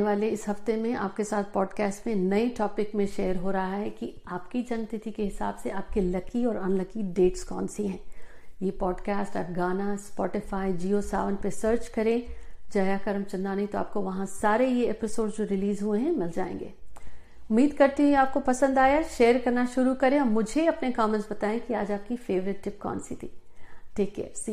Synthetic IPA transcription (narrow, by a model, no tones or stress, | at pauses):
eʋaːleɪsɦɐft̪emẽa̰ːpkesaːt̪̚ʰpɔːɖkɛːsʈmẽnɐiʈɔːpɪkmẽʃeːəɾɦoːɾɐɦaɦɛkiaːpkid͡ʒɐnt̪ɪt̪ʰikeɦɪsa̰ːbseaːp̚kilɐkiɔːɾɐnlɐkiɖeːʈskɔ̰ːnsiɦɛ̃ːjeːpɔːɖkaːsʈa̰ːpɡaːnaspɔːʈɪfaːid͡ʒiːosa̰ːʋənpesəːɾt͡ʃkɐɾẽd͡ʒaːjakɐɾɐmt͡ʃɐ̃nd̪anɐɦĩt̪oaːp̚koʋɐɦãsaːɾejeeːpɪsoːɖzd͡ʒoːɾɪliːzɦuẽɦɛ̃mɪld͡ʒa̰ːḛ̃ːŋɡḛː | ʊmːiːd̪kɐɾt̪iɦueaːp̚kopɐsə̃nd̪aːjaʃeːəɾkɐɾnaʃʊɾukɐɾẽɔːmʊd͡ʒʱeɐpnekɔːmɛ̃ɳʈsbɐt̪aːẽkiaːd͡ʒaːp̚kifeːʋɾɪt̪ʈɪpkɔ̰ːnsit̪ʰiːʈeːkːḛːɾsi